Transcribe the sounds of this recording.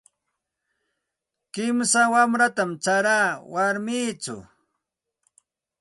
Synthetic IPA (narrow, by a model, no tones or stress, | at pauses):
kɪmsawamɾat̪amt͡ʃaɾaːwaɾmiːt͡sʊ̰